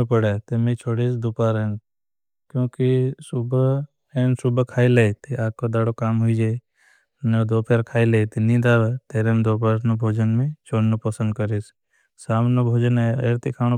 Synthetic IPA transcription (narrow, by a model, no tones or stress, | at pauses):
pəɽet̪emẽt͡ʃʰoːɽiːsd̪uːpaːɾen | kjõːkisub | eːnsubʱkʰaːileːit̪iaːkod̪aːɽokaːmɦuid͡ʒeː | ned̪oːpeɾkʰaːileːt̪inĩd̪aːʋet̪eɾeːmd̪oːpaːɾnobʱoːd͡ʒənmẽt͡ʃoːɽnopəsə̃nd̪kəɾis | saːmnobʱoːd͡ʒəneeɾt̪ikʰaːno